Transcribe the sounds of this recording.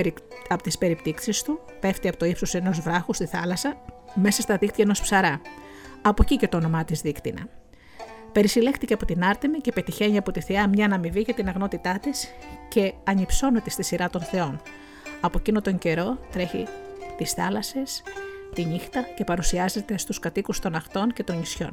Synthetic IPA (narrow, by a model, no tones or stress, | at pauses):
ɐpot̪ispe̞ɾipt̪iksist̪u | pe̞ft̪iɐpot̪oipsose̞no̞zvɾɐxust̪iθɐlɐsɐme̞sɐst̪ɐðixt̪jɐeno̞spsɐɾɐ | ɐpo̞cice̞t̪o̞ːno̞mɐt̪izðikt̪inɐ̰ | pe̞ɾisile̞xt̪iceɐpo̞t̪inɐɾt̪emice̞pe̞t̪içe̞ɲiɐpo̞t̪iθiɐmɲɐːnɐmiviʝɐt̪inɐɣno̞t̪it̪ɐt̪isce̞ɐɲipso̞ne̞t̪est̪isiɾɐt̪o̞nθe̞o̞n | ɐpocinot̪o̞ɲɟe̞ɾo̞t̪ɾe̞çḭt̪isθɐlɐse̞st̪inixt̪ɐce̞pɐɾusiɐze̞t̪e̞st̪uskɐt̪ikust̪o̞nɐxt̪o̞nce̞t̪o̞nisço̞̰n